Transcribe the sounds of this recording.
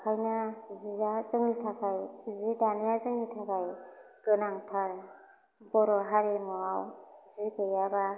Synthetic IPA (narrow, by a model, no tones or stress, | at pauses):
kʰajnaziazɯŋnitʰakʰajzidanijazɯŋnitʰakʰaj | ɡ̥ɯnaŋtʰaɾ | bɔɾɔɦaɾemɔawzikejaba